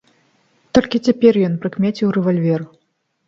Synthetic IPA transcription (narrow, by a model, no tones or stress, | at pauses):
t̪ɔlʲkʲit͡sʲapʲɛrjɔnpɾɨkmʲɛt͡sʲiwrɛvalʲvʲɛr